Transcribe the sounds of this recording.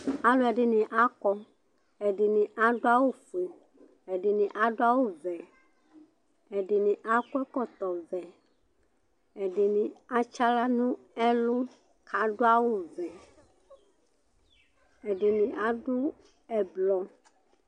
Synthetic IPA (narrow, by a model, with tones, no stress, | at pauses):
a˦lo˦ɛ˨ɖɪ˨nĩ˨ʔa˦kɔ˦ | ɛ˨ɖɪ˨nĩ˨ʔa˦ɖo˦a˦wo˦fu˨e˨ | e˨ɖe˨nĩ˨ʔa˦ɖo˦a˦wo˦vɛ˨ | ɛ˨ɖe˨nĩ˨ʔa˦kɛ˦kɔ˦t̪ɔ˨vɛ˨ | ɛ˨ɖe˨nĩ˨a˦t͡ʃa˦la˦nũ˦ | ɛ˦lo˦ | kʰa˨ɖo˦a˦wo˦vɛ˨ | ɛ˨ɖe˨nĩ˨ʔa˦ɖo˦ | ɛ˨blɔ˨